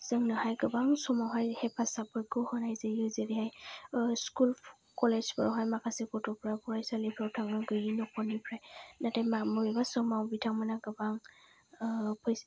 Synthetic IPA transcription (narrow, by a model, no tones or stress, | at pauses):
z̥ɯŋnɯhajɡɯbaŋsɔmawɦajhɛpʰasapɔjkɯhɔnajzejɯzeɾiɦajskulp | kɔlezbɔɹɔɦajmakasikɔtɔpɹabɔɹajsalipʰɾɔwtʰaŋɯɡɯjinɔkʰɔnipʰɹajnatamamɔɹibasɔmawbitʰaŋmanaɡɯbaŋ | pʰɔj